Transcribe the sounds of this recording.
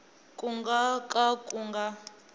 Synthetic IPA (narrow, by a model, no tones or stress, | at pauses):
kʼuŋɡakʼakʼuŋɡa